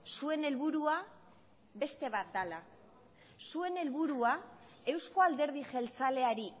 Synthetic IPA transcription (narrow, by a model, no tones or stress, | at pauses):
sue̞ne̞lβuɾua | βe̞st̪e̞βat̪̚d̪ala | sue̞ne̞lβuɾua | e̞wsko̞ald̪e̞ɾð̞iʝe̞lt͡sale̞aɾi